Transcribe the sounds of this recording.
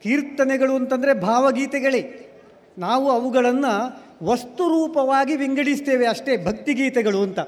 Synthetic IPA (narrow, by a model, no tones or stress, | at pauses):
kiːɾt̪ɐnɛɡɐɭuɐnt̪ɐnd̪ɐɾebʱaːʋɐɡiːt̪ɛɡɐɭe | naːʋuɐʋuɡɐɭɐnːɐ | ʋɐst̪uɾuːpɐʋaːɡiʋiŋɡɐɽist̪eːʋeɐʂʈe̞bʱɐk̚t̪iɡiːt̪ɛɡɐɭuɐnt̪ɐ